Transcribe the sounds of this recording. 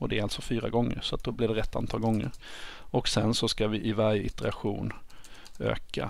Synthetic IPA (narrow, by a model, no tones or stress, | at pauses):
ɔd̪ɛæɾalt̪sɔfyːɾa̰ɡɔŋːə̰ɾsɔat̪̚d̪ɔblɪɖɛɾɛt̪ːa̰nt̪ʰɑːlɡɔŋːə̰ɾ | ɔksɛnsɔskavɪʔɪvaɾjəɪt̪əɾaɧuːn | ø̰ːka̰